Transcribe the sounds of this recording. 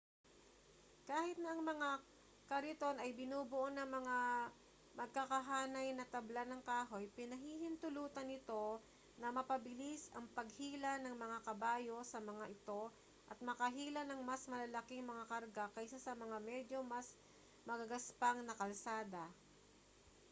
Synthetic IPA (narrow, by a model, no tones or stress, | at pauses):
kaːhɪt̪̚nɐʔɐŋmɐŋa | kɐɾɪt̪o̞nɐjbɪnuːbʊʔonɐŋmɐŋa | mɐɡ̚kakɐɦaːnɐjnɐt̪ɐblanɐŋkaːɦo̞jpɪnɐɦiːhɪnt̪ʊluːt̪ɐnɪt̪o̞ | nɐmɐpɐbɪlisʔɐŋpɐɡ̚hiːlanɐŋmɐŋakɐbaːjo̞sɐmɐŋaʔɪt̪o̞ | ʔɐt̪̚mɐkɐɦiːlɐnɐŋmɐsmɐlɐlɐkɪŋmɐŋakɐɾɡakɐjsasɐmɐŋamɛd̪jo̞mɐs | mɐɡɐɡɐspaŋnɐkɐlsaːd̪ɐ